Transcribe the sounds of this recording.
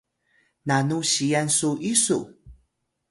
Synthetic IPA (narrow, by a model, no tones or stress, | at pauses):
nanuɕijansuʔisṵ